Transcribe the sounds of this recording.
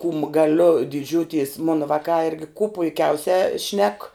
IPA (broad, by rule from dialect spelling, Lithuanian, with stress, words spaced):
kuːm ɡɐˈlʲʊ dʲɪˈd͡ʒʲuːtʲɪs ˈmoːnɐ ˈʋɑːkɑː ˈɪrʲɡʲɪ kuː pʊɪˈkʲɛʊsʲæː ʃʲnʲɛk